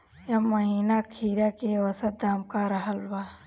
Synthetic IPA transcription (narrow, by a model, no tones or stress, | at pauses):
jamːəɦiːnakʰiːɾakeʋəsət̪̚d̪aːmkaɾəɦəlwaː